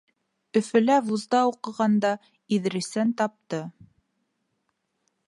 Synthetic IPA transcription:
ɵ̆fɘ̆lævuzd̪ɑuqɤ̆ʁɑnd̪ɑ | ið̆ɾɘ̆sænt̪ɑp̚t̪ɤ

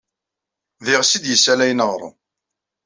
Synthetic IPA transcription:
ðɪʁsid̪jəsːælæjnəʁɾˤə̰

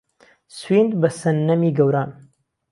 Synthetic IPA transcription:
swind̪bɐsɐnːɐmiːɡɐwɾaːn

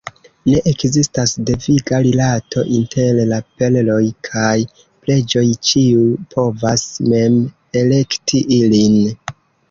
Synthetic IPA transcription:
ne̞ʔekzistasdeviɡaɾilatʰo̞̰ʔintʰe̞llape̞llo̞jkʰaj | ple̞d͡ʒo̞jt͡ʃiupʰo̞vasme̞m | e̞le̞ktʰiʔilin

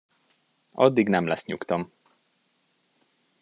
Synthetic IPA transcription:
ɒ̰d̪ːiɡnɛmlɛsɲṵkt̪ɒm

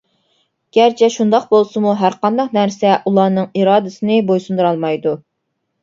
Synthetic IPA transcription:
ɡ̥ʲæɾt͡ʃʰɛʃund̪ɑq̚bolˠsɨmuɦæɾqɑnd̪ɑqnæɾsɛʔulˠɑːnɨŋiɾɑːd̪ɨsɨnɨbojsund̪ɨɾɑlˠmɑjd̪u

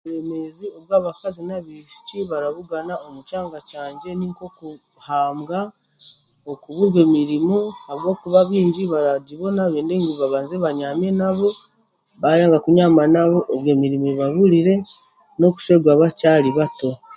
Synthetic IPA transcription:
we̞me̞zio̞βɡaːβakazinaβiʃi̥ciβaɾaβuɡanao̞mut͡ʃaːŋɡacaːɲɟe̞niŋko̞ku | haːmɡa | okuβuɾwe̞ːmiɾimuhaβɡo̞ːkuβaβiːɲɟiβaɾaɟiβo̞naβeːndeŋɡiβaβaːnzeβaɲaːmenaβo̞ | βajaːŋɡakuɲamanaβo̞ʔoβweːmiɾimuβaβuɾiɾe̞ | no̞ku̥ʃwe̞ːɡwaːβacaːɾiβato̞

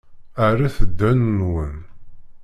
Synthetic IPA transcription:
arːaθəd̪ːænːwən

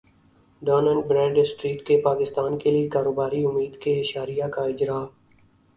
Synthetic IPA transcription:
ɖɔːnə̃ɳɖ̚bɾɛ̃ːɖsʈɾiːʈkepaːkɪst̪aːnkeliekaːɾoːbaːɾiʊmːiːd̪keɪʃaːɾijakaɪd͡ʒɾaː

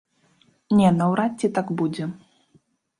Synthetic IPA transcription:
nʲɛnɐwɾat̪̚ʲːit̪aɡbud͡zʲɛ

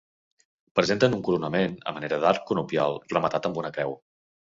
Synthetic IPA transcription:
pɾəzent̪ənuŋkuɾunəmenə̰məneɾəðaɾkunupjalˠrəmət̪at̪əmbunəkɾɛw

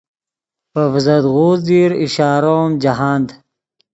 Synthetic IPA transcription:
pɐvzɐd̪ɣuːzd̪iːɾiɕaːɾoːmd͡ʑaɦaːnd̪

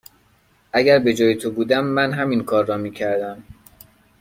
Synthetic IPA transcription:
ʔæɡæɾbe̞d͡ʒɒːjet̪ʰobuːd̪æmːænɦæminkʰɒːɾːɒːmiːcʰæɾd̪æm

